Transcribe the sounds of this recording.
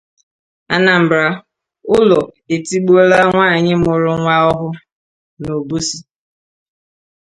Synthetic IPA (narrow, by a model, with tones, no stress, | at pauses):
a̰˦na˨m̩˨bɾa˦ | ʊ˦lɔ˨ | e˨ti˦ɡ͡bo˦la˦ŋʷaː˦˨ɲɪ˦mʊ˨ɾʊ˦ŋʷa˦ɔ˦ɦʊ˦ | no˨bu˦si˦